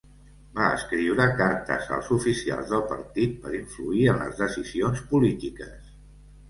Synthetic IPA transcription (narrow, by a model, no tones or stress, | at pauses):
baə̰skɾiwɾəkaɾt̪ə̰zə̰lˠzufisia̰lˠzðəlˠpəɾt̪it̪̚pəɾiɱfluiənlə̰zðəsizionspulit̪ikəs